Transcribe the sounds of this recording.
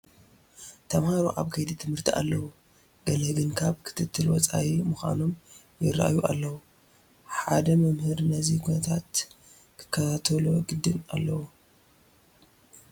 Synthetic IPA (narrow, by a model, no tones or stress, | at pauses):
t̪ʰɐmhaɾuʔaβkʰɐjd̪it̪ʰɨmhɨɾt̪ʰiʔa̰lːɐwu | ɡ̥ɐlɐɡɨnkʰaβkʰɨ̥t̪ʰɨt̪ʰːɨlwɔt͡sʼa̰wimɨxʷa̰nom | jɪrːa̰ʔjuʔalːɐwu | ħad̪ɐmɐmhɨɾnɐzikʰunɐt̪ʰat̪ | kʰɨ̥kʰːɐt̪ʰat̪ʰɐluɡɨd̪ːɨna̰lːɐwu